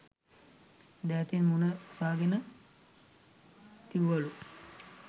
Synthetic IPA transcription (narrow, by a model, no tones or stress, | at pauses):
d̪æːt̪inmunəsaːɡenə | t̪iʋʋɐlu